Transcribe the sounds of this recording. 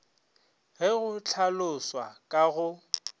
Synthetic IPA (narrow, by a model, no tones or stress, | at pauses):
ɦɪɣʊt͡ɬʰalʊswa̰kʼaɣʊ